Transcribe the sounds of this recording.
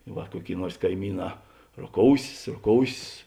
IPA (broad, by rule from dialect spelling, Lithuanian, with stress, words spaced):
ˈʋɐ ˈkuɔˌkʲeːɪ ˈnuɔrs kɐɪˈmʲiːˌnɑː roːˈkoːʊsʲeːs roːˈkoːʊsʲeːs